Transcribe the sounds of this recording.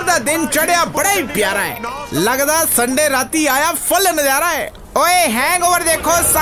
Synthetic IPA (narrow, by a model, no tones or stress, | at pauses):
ɾd̪aːd̪ɪnt͡ʃɐɽjaːbɐɽaːiːpjaːɾaːɦḛːlɐɡd̪aːsə̃ɳɖeːɾaːt̪iaːjapʰɐlənəzaːɾaːeː | oːeɦɛ̃ːŋɡoʋəɾd̪eːkʰoːsa